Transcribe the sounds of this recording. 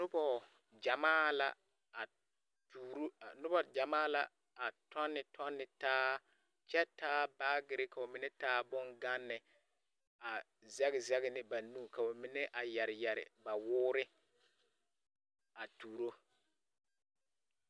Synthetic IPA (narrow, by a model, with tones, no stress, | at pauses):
nʊ˦bɔ˦ | d͡ʒa˨maː˦la̰˨ | a˨ | tuː˨ɾnʊ˦bɔ˦d͡ʒa˨maː˦la˨ | a˨tʰɔ˦nːɪ˨tʰɔ˦nːɪ˨taː˦ | t͡ʃɛ˦taː˦baː˦ɡɪ˨ɾɪ˦ka˨ʊ˨mɪ˦nɛ˦taː˦bʊ˦ŋɡa˦nːɪ˨ | a˨ | zɛ˦ɣɪ˨zɛ˦ɣɪ˦nɪ˦ba˨nuː˦˨ka˨o˨mɪ˦nɛ˦ʔa˨jɛ˨ɾɪ˨jɛ˨ɾɪ̰˨ba˨wʊː˦ɾɪ˦ | a˨tuː˨ɾo˦